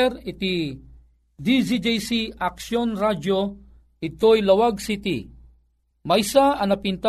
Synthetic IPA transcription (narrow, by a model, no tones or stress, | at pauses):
ɾɪt̪i | d̪id͡ʒid͡ʒejsiʔaksjonɾad͡ʒo | ɪt̪ojlɐwaɡsit̪ḭ | mɐjsaɐnɐpint̪a